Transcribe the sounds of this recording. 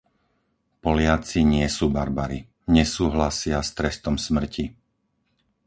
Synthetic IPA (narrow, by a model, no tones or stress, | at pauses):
pɔlɪat͡siɲɪɛsuːbaɾbaɾi | ɲɛsuːɦlasɪast̪ɾɛst̪ɔmsmr̩cʰi